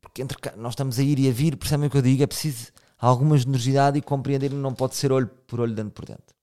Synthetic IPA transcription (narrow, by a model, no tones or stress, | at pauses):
puɾkẽnt̪ɾkanɔʃt̪ɐmuzɐiɾiɐviɾpɨɾsɛβɐ̃j̃ukewðiɣɛpɾsizu | alˠɣumɐʒɨnɨɾuziðaðikõmpɾiẽnd̪eɾnɐ̃w̃pɔðseɾoʎupɔɾoʎd̪ɐ̃npɔɾðḛ̃nt̪